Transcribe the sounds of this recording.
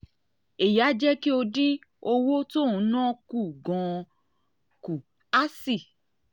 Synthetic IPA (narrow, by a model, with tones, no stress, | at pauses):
e˨ja˨˦d͡ʒɛ˦ki˦o˧di˦o˧wo˦to˦˨ũ˨˦nã˦ku˦˨ɡɔ̃˧ | ku˨ | a˦si˦˨